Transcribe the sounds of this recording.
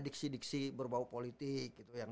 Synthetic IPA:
diksidiksibərbaupolit̪ɪk̚ɡit̪ujaŋ

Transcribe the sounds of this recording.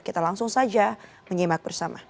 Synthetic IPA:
kit̪alaŋsʊŋsad͡ʒa | məɲimak̚bərsama

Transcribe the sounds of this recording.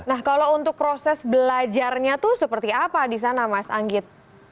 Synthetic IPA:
nahkalount̪ʊk̚pɾosɛsbəlad͡ʒarɲat̪ʊhsəpərt̪iapadis̬anamasa̰ŋɡɪt̪̚

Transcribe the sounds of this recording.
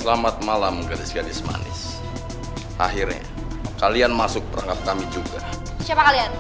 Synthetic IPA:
səlamat̪̚malamɡadisiadisma̰nɪ̰s | ʔa̰ɦirɲa̰ | kalianmasʊk̚pəɾaŋkap̚kamid͡ʒuɡa | siapakalian

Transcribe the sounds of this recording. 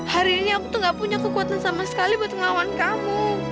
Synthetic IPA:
haɾiːniakut̪ʊŋɡaʔpuɲakəkuat̪ansamasə̥kalibuat̪̚kəlawankamuu

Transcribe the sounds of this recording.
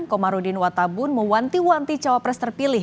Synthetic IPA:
nkɔmaɾudɪnwat̪abʊnməwant̪iwant̪it͡ʃawapɾɛst̪ərpilɪ

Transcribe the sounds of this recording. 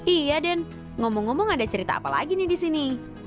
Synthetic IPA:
ijadan | ŋomɔŋːɔmɔŋadat͡ʃəɾit̪a̰ːpala̰ɡinɪdisini

